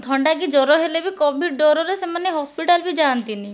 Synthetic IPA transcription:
d̪ʱɔɳɖaɡid͡ʒɔɾɔɦelebikɔbʱiɖ̚ɖɔɾɔɾesemaneɦɔspiʈalbid͡ʒaːnt̪ini

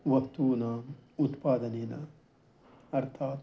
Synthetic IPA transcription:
ʋɐkt̪uːnaːmut̪paːd̪ɐneːnɐ | ɐɾt̪ʰaːt̪

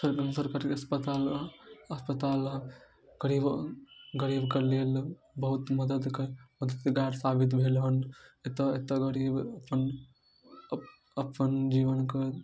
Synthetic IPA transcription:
səɾkə̃nsəɾkəɾɐspət̪aːlɐspət̪aːl | ɡ̥əɾiːbɡəɾiːbkəɾleːl | bəɦut̪məd̪əd̪kɐɾməd̪əd̪ɡaːɾsaːbit̪bʱelɦənet̪əet̪əɡəɾiːbəpən | əpənd͡ʒiːʋənkɐ

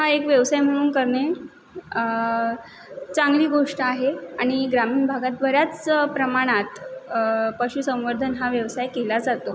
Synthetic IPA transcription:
ɦaekʋjəʋsajm̤əɽ̃uːnkəɾɳe | t͡saŋɡliːɡʱoʂʈəaɦeaɽ̃iɡɾamiːnbʱaɡat̪ʋəɾjat͡spɾəmaɽ̃at̪ | pəɕuːsə̃w̃ʋəɾd̪ʱənɦaʋjəʋsajkelad͡zat̪o

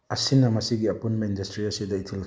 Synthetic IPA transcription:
ɐsinɐmɐsiɡiɐpunmɐindɐstɾiɐsidɐitʰil

